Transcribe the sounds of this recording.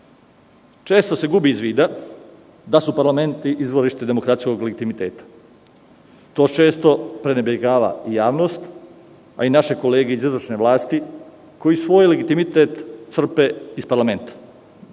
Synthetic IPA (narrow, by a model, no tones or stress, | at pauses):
t͡ʃeːst̪o̞se̞ɡubiːzʋiːd̪a | d̪asupaɾlame̞nt̪iʔizʋoɾiʃt̪e̞d̪e̞mokɾat̪sko̞ɡleɡit̪imit̪eːt̪ḁ | t̪o̞ːt͡ʃe̞ːst̪o̞pɾe̞nebjeɡaːʋa̰ijaːʋno̞st̪ | a̰inaʃe̞ko̞le̞ːɡeizizʋr̩ʃne̞ʋlˠaːst̪i | ko̞jisʋo̞ːjle̞ɡit̪imit̪et̪t̪sr̩peispaɾlame̞nt̪ḁ